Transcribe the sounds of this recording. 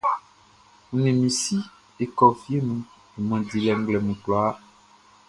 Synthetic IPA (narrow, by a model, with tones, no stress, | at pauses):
ŋũ˨nẽ˨mĩ˨si˦ | e˨kɔ˨fi˦e˦nũ˨ | e˨mɔ̃˨di˨lɛ˨ŋ̩˦ɡ͡blɛ˨mũ˨k͡plɔ˨a˦